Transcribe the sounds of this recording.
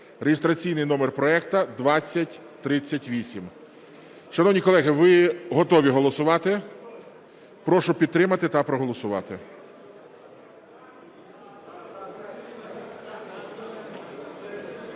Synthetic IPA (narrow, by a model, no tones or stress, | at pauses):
reɦɪst̪ɾɐt͡sʲijnɪjnɔmerpɾɔɛkt̪ɐd̪ʋɑt͡sʲːɐtʲ | t̪ɾɪt͡sʲːɐtʲʋʲisʲim | ʃɐnɔwnʲikɔlˠɛɦɪʋɪɦɔt̪ɔʋʲiɦɔlˠɔsʊʋɑt̪ɪ | pɾɔʃʊpʲid̪̚t̪ɾɪmɐt̪ɪt̪ɐpɾɔɦɔlˠɔsʊʋɑ̰t̪ɪ